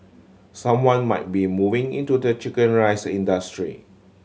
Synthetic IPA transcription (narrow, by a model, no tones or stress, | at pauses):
sãmwãnmaɪt̚bimuvĩŋḭ̃ntudət͡ʃikə̃nɹaɪsĩndastɹḭ